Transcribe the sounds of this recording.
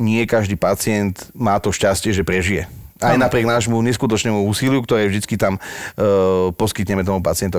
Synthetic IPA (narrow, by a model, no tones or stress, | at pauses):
ɲɪɛkaʒd̪iːpat͡sɪɛnt̪maːt̪ɔʃcascɪɛʒɛpɾɛʒijɛʔajnapɾɪɛɡnaːʒmuɲɛskut̪ɔt͡ʃnɛːmuuːsilɪukt̪ɔɾɛːvd̪it͡skit̪am | pɔskit̪ɲɛmɛt̪ɔmupat͡sɪɛnt̪ɔ